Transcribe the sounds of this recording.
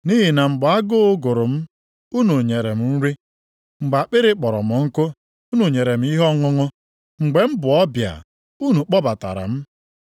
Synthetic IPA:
ni˦ɦi˨na˨ŋ͡m̩˨ɡ͡ba˨a˦ɡʊ˦ʊ˦ɡʊ˨ɾʊ˨m̩˦ | u˦nu˨ɲe˨ɾe˨m̩˦n̩˦ɾi˦ | ŋ͡m̩˨ɡ͡ba˨k͡pɪ˦ɾɪ˦k͡pɔ˨ɾɔ̰˨mʊ˨ŋ̩˦kʊ˦ | u˦nu˨ɲe˨ɾe˨m̩˦i˦ɦɔ˦ŋʊ˦ŋʊ˦ | ŋ͡m̩˨ɡ͡be˨m̩˦bʊ˨ɔ˦bja̰˨ | u˦nu˨k͡pɔ˦ba˨ta̰˨ɾa̰˨m̩˦

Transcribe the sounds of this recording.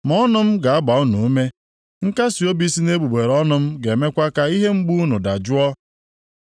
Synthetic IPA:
m˨ɔ˦nʊ˦m̩˦ɡa˨a˦ba˨u˦nu˨u˦me˦ | ŋ̩˦ka˦si˨o˦bi˦si˦ne˦bu˨ɡ͡be˨ɾɔ˦nʊ˦m̩˦ɡe˨me˦kʷa˦ka˦i˦ɦe˦ŋ͡m̩˦ɡ͡bu˦u˦nu˨da˨d͡ʒʊ˦ɔ˦

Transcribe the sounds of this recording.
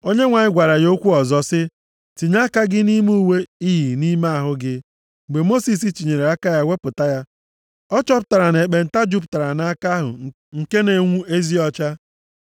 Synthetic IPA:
o˦ɲe˦ŋʷa˨ɲɪ˦ɡʷa˨ɾa˨jo˦kʷu˦ɔ˨zɔ˨sɪ˦ | ti˨ɲa˦ka˦ɡɪ˦ni˦mu˦˨we˦i˦ɦi˨ni˦ma˦a˨ɦʊ˦ɡɪ˦˨ | ɡ͡be˨mo˦si˨s̬i˦t͡ʃi˨ɲe˨ɾe˨a˦ka˦ja˦wʷe˦pʊ˨ta˦ja˦ | ɔ˦t͡ʃɔ˦p̬ʊ˦ta˨ɾa˨ne˨k͡pe˨n̩˨ta˦d͡ʒu˦p̬ta˨ɾa˨na˦ka˦ɦʊ̰˨ | ŋ̩˨ke˦ne˨ŋʷu˦e˦zi˦ɔ˦t͡ʃa˦

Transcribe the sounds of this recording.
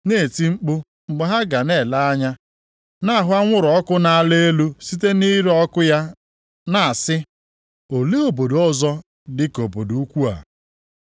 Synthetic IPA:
ne˦˨e˨ti˦ŋ͡m̩˦k͡pʊ˦ | ŋ͡m̩˨ɡ͡bʊ˨ɦa˦ɡa˨ne˨la˦a˦ɲa˦ | na˦a˨ɦʊ˦a˦ŋʷʊ˦ɾɔ˨ɔ˦kʊ˦na˦a˦le˦e˦lu˦si˦t̬e˦ni˦ɾɔ˦kʊ˦ja˦ | na˦˨a˨sɪ˦ | o˨le˦o˨bo˨dɔ˦zɔ˦ | dɪ˦ko˨bo˨do˨u˦kʷu˦a̰˨

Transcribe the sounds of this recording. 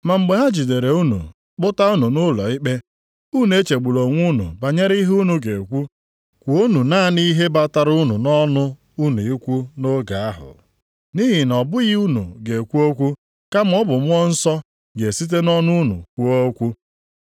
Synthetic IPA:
ma˨m̩˨ɡ͡be˨ɦa˦d͡ʒi˨de˨ɾe˨u˦nṵ˨ | k͡pʊ˦ta˦u˦nu˨nʊ˦lɔ˨ɪ˦k͡pe˦ | u˦˨n˨e˦t͡ʃe˨ɡ͡bu˨lo˨ŋʷu˦nṵ˨ba˨ɲe˦ɾi˦ɦu˦nu˨ɡe˨kʷu˦ | kʷu˨o˦nu˨naː˦˨ni˦ɦe˦ba˦ta˨ɾu˦nu˨nɔ˦nʊ˦ | u˦nu˨i˦kʷu˦no˦ɡa˨a˦ɦʊ̰˨ | ni˦ɦi˨nɔ˨bʊ˦ɣi˦u˦nṵ˨ɡe˨kʷu˦o˦kʷu˦ | ka˦m˦ɔ˦bʊ˨mʊ˦ɔ˦n̩˦sɔ˦ | ɡe˨si˦t̬e˦nɔ˦nʊ˦nṵ˨kʷu˦o˦kʷu˦

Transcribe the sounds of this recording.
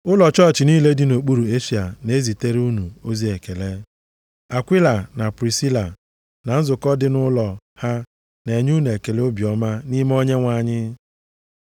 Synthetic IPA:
ʊ˦lɔ˨t͡ʃɔ˦˨t͡ʃɪ˨niː˦le˦dɪ˦no˨k͡pu˦ɾu˨e˦ʃi˨a˨ne˨˦zi˨te˦ɾu˦nu˨o˦zi˦e˨ke˨le˦ | a˨kʷi˦la˨na˨pɾi˨si˦la˨ | na˨n̩˦zʊ˨kɔ˦dɪ˦nʊ˦lɔ˨ | ha˦ | ne˨ɲu˦ne˨ke˨le˦o˦bjɔ˦ma˦ni˦m˦o˦ɲe˦ŋʷa˨ɲɪ˦

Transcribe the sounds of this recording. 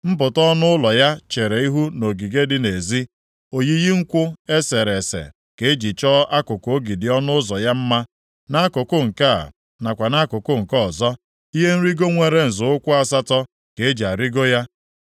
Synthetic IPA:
m̩˦pʊ˨tɔ˦nʊ˦ʊ˦lɔ˨ja˦t͡ʃe˨ɾe˨i˦ɦu˦no˨ɡi˨ɡe˦dɪ˦ne˨zi˦ | o˨ji˦ɣi˦ŋ̩˦kʷʊ˦e˦se˨ɾe˨sḛ˨ | ke˦e˦d͡ʒi˨t͡ʃɔ˦a˦kʊ˨ko˨˦ɡi˨dɪ˨ɔ˦nʊ˦zɔ˨ja˦m̩˦ma˦ | na˦a˦kʊ˨kʊ˦ŋ̩˨ka̰˦˨ | na˨kʷa˨na˦kʊ˨kʊ˦ŋ̩˨kɔ˦˨zɔ˦ | i˦ɦe˦n̩˦ɾi˦ɡo˦ŋʷe˨ɾe˨n̩˨zʊ˨ʊ˦kʷʊ˦a˦sa˦tɔ˦ | ke˨e˦d͡ʒi˨a˨ɾi˦ɡo˦ja˦

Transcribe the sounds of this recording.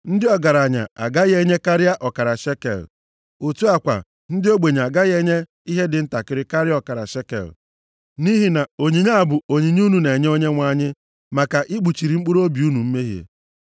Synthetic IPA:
n̩˦dɪ˦ɔ˦ɡa˨ɾa˨ɲa̰˨a̰˨ɡa˦ɣe˦ɲe˦ka˦ɾɪ˦a˦ʔɔ˨ka˨ɾa˨ʃe˦kḛ˨l | u˨tu˦a˦kʷa̰˨ | n̩˦dɪ˦o˦ɡ͡be˨ɲ˨a˨ɡa˦ɣe˦ɲe˦ | i˦ɦe˦dɪ˨n̩˦ta˨kɪ˦ɾɪ˦ka˦ɾɪ˦ɔ˦ka˨ɾa̰˨ʃe˦kḛ˨l | ni˦ɦi˨na˨o˨ɲi˨ɲa˦a˨bʊ˨o˨ɲi˨ɲ˦u˦nu˨ne˨ɲe˦o˦ɲe˦ŋʷa˦˨ɲɪ˦ | ma˨ka˨ʔi˦ɡ͡bu˨t͡ʃi˨ɾi˨ŋ͡m̩˦k͡pu˦ɾo˦bi˨u˦nu˨m̩˦me˦ɦjḛ˨

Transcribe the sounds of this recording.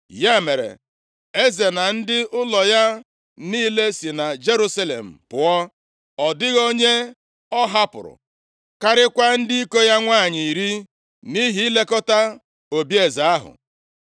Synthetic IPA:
ja˦me˨ɾḛ˨ | e˦ze˨na˨n̩˦dɪ˦ʊ˦lɔ˨ja˦ | niː˦le˦si˨na˨d͡ʒe˦ɾu˦sa˦lḛ˨m̩˨pʊ˨ɔ˦ | ɔ˨dɪ˦ɣo˦ɲe˦ | ɔ˦ɦa˦pʊ̰˨ɾʊ̰˨ | ka˦ɾɪ˦kʷa˦n̩˦dɪ˦i˦ko˦ja˦ŋʷaː˦˨ɲi˨i˨ɾi˦ | ni˦ɦi˨˦le˦kɔ˦ta˦ | o˨bi˦e˨za˨a˦ɦʊ̰˨

